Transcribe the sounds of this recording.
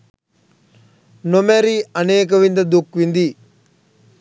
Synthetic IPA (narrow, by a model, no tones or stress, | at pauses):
nomɛɾiɐneːk̬əʋind̪ɐd̪ukʋind̪i